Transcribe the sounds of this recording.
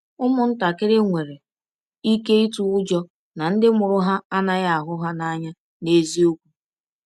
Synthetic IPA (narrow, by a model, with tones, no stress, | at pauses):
ʊ˦mʊ˨n̩˦ta˨kɪ˦ɾɪ˦ŋʷe˨ɾe˨ | i˦ke˦i˦tu˨ʊ˦d͡ʒɔ˦ | na˨n̩˦dɪ˦mʊ˨ɾʊ˦ɦa˦a˦na˦ɣa˦a˨ɦʊ˦ɦa˦na˦ɲa˦ | ne˦zi˦o˦kʷu˦